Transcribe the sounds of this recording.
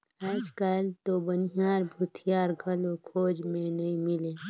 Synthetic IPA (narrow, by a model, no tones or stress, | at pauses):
aːd͡ʒkəlt̪obəniɦaːɾbʱʊt̪ʰijaːɾɡʱəlokʰoːd͡ʒmẽnɐɦĩmɪleː